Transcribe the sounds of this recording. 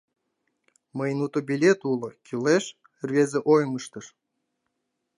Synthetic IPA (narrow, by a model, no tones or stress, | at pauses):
məjnut̪obʲilʲet̪ulɤ̆kʲyleʃ | rvʲezĕʔojməʃt̪əʃ